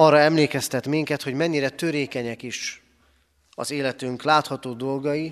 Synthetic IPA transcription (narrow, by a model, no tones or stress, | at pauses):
ɒrːɒɛmleːkɛst̪ɛt̪miŋkɛt̪ho̞ɟmɛɲːiɾɛt̪øɾeːkɛɲɛkiʃ | ɒ̰zeːlɛt̪yŋklaːt̪hɒt̪oːd̪o̞lɡɒji